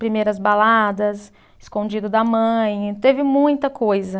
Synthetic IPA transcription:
pɾimejɾɐzbalad̪ɐs | ɪskõd͡ʒid̪ʊd̪ɐmɐ̃j̃t̪evɪmũj̃t̪ɐkojzɐ

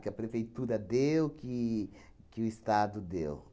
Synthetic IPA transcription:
kɪɐpɾefejt̪uɾɐd̪ewkɪ | kɪʊist̪ad̪ʊd̪ḛw

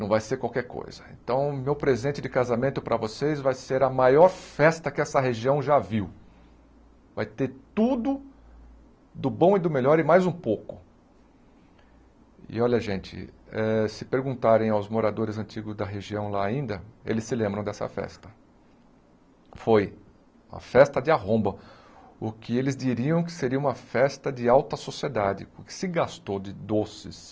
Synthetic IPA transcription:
nɐ̃w̃vajseɾkwawkɛɾko̰jzɐḛ̃nt̪ɐ̃w̃mewpɾezẽnt͡ʃɪd͡ʒɪkazamẽnt̪ʊpɾɐvosejzvajseɾɐmajɔɾfɛst̪ɐkɪɛsɐɦeʒiɐ̃w̃ʒaviw | va̰jt̪eɾt̪ud̪ʊ | d̪ʊbõw̃ɪd̪ʊmelɔɾɪmajzũpokʊ | ɪ̰ɔʎɐʒẽnt͡ʃɪ̰ɛsɪpeɾɡũnt̪aɾẽj̃awzmoɾad̪oɾɪzɐ̃nt͡ʃiɡʊzd̪ɐɦeʒiɐ̃w̃laaĩnd̪ɐḛlɪsɪlẽmbɾɐ̃w̃d̪ɛsɐ̰fɛ̰st̪ɐ̥ | foj | ɐ̰fɛst̪ɐd͡ʒɪaɦõmbɐ | ʊkʰɪelɪzd͡ʒiɾiɐ̃w̃k̬ɪ̥seɾiɐũmɐfɛst̪ɐd͡ʒɪawt̪ɐsosied̪ad͡ʒɪ̰ʊkɪ̥sɪɡast̪od͡ʒɪd̪osɪs

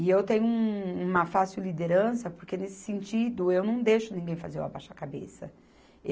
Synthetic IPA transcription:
ɪewt̪ẽɲʊũũmɐfasiwlid̪eɾɐ̃sɐpoɾkenesɪ̥sẽnt͡ʃid̪ʊewnɐ̃w̃d̪ejʃʊnĩŋɡẽj̃fa̰zeɾṵa̰baʃakabḛsɐ

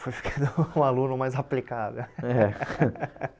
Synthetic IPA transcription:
fojfi̥kʰɐ̥̃nd̪ʊũalũnʊmajzaplikavḛwɛ

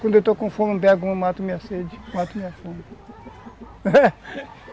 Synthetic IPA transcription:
kwɐ̃d̪ewt̪okõfõmũbɛɡũmat̪umĩɐsed͡ʒimat̪umĩɐfõm | ɛ

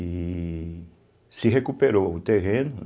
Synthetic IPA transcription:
i | siɦekupeɾout̪eɦẽnʊ

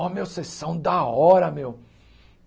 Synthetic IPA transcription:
ɔmewsesɐ̃w̃d̪ɐɔɾɐmew

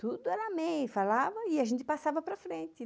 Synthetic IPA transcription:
t̪ud̪ʊɛɾɐamẽjfalavɐɪaʒẽnt̪ɪ̥pasavɐpɾɐfɾẽnt̪ɪ

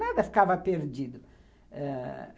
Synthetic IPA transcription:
nad̪ɐfi̥kavɐpeɾd͡ʒid̪ʊ | ɛ

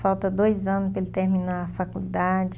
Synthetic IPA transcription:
fawt̪ɐd̪ojzɐ̃nʊspelɪt̪eɾmĩnafakuld̪ad͡ʒɪ

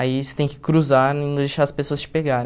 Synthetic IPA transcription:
aisɪ̥t̪ẽj̃kɪ̥kɾuzaɾĩnʊd̪eʃaɾɐspesoɐst͡ʃɪ̥peɡaɾẽ

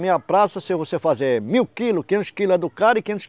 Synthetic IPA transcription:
mĩɲɐpɾasɐsɪvosefazeɾmiwkilʊkẽnt̪ʊʃkilʊed̪ʊkaɾɪkẽnt̪ʊ̥ʃ

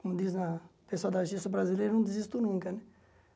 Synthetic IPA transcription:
komud̪iznɐpesad̪ɐʒisɐbɾazilejɾɐnɐ̃w̃d̪izist̪unũŋkɐnɛ

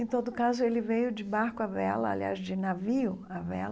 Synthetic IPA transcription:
ẽt̪od̪ʊkazʊelɪvejʊd͡ʒɪbaɾkʊavɛlɐa̰lia̰zd͡ʒɪnaviʊavɛ̰l

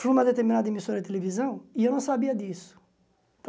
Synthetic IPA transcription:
uumɐd̪et̪eɾmĩnad̪ɐemisoɾɐd̪ɪt̪̬elevizɐ̃w̃ɪewnɐ̃w̃sabiɐd̪isʊ̥ | t̪

